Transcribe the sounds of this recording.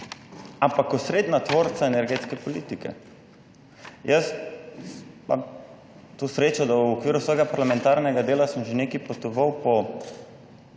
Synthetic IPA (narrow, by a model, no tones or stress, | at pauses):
ampakɔsɾeːd̪nat̪ʋoːɾt̪saenɛɾɡeːt̪skɛpɔliːt̪ikɛ̰ | jəs | pa̰ | t̪osɾeːt͡ʃad̪awɔkʋiːɾusʋɔːjɡapaɾlamɛ̃nt̪aːɾnɛɡad̪eːlasəmʒeneːkipot̪ɔʋəwpɔ